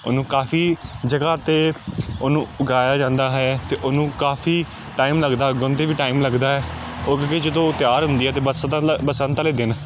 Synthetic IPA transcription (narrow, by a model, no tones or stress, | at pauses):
ʊnũːkaːfʰiːd͡ʒəɡaːt̪eːonũːʊɡaːjaːd͡ʒãːnd̪aːɦɛːt̪eːʔʊnũːkaːfʰiː | ʈaːiːmləɡd̪aːɡʊnt̪eːʋiːʈaːimləɡd̪aːɦɛː | ʊkked͡ʒəd̪õːt̪ɪjaːɾɦʊ̃nd̪iːɛːt̪eːbəsbəsə̃nt̪aleːd̪ɪn